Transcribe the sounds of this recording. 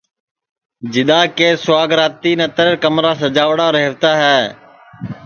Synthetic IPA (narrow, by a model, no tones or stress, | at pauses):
d͡ʒɪɗ̪aːkeːsʊwaːɡɾaːt̪iːnət̪əɾkəmɾaːsəd͡ʒaːʋɽaːɾeɦəʋt̪aːɦɛː